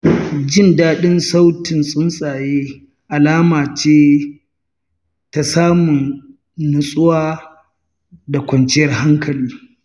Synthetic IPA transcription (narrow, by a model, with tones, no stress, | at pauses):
d͡ʒɪ˦˨ndaː˦ɗɪ˦nsa˦wtɪ˨nsʼʊ˦nsʼaː˨jeː˦ | ʔa˨laː˦maː˨t͡ʃeː˦ | ta˨saː˦mʊ˨n | nʊ˨sʼʊ˦waː˦ | da˨kʷɐ˨nt͡ʃɪ˦jɐ˨rɦa˦ŋkɐ˨liː˦